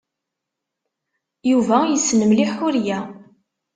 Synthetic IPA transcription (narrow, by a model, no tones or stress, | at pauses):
juvæjəsnəmliħʊɾjæ